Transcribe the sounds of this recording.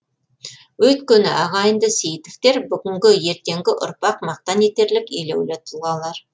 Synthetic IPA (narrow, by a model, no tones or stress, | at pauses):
wɵt̪kʲenɪ̰ʔɑʁɑjənd̪əsejit̪ɪft̪e̞ɾbʏɡʲɪŋɡʲɪje̞ɾt̪e̞ŋɡʲɪʔʊ̰ɾpɑqmɑq̚t̪ɑnet̪e̞ɾlɪkelḛwlet̪ʰʊlˠʁɑlˠːɑɾ